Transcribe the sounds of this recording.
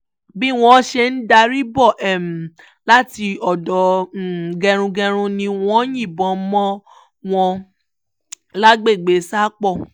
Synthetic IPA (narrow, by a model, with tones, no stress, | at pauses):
bi˦w̃ɔ̃˦ʃe˧n̩˦da˧ɾi˦bɔ˦˨ʔɛ˦˨m̩˨ | la˦ti˧ɔ˨dɔ˨ | ɡɛ˧ɾ̃ũ˧ɡɛ̃˧ɾ̃ũ˧nĩ˧w̃ɔ̃˦jĩ˦˨bɔ̃˨˦mɔ̃˦ | w̃ɔ̃˧ | la˦ɡ͡be˦˨ɡ͡be˨˦sa˦k͡pɔ˦˨